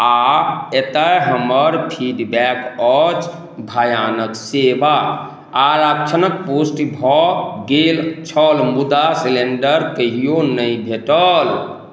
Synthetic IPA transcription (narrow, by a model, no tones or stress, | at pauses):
aet̪əɦəməɾpʰiɖbɛkɔt͡ʃ | bʱəjanəkseba | aɾakt͡ʃʰənək̚posʈbʱɔɡelt͡ʃʰɔlmud̪asileɳɖəɾkəɦijonəĩbʱeʈəl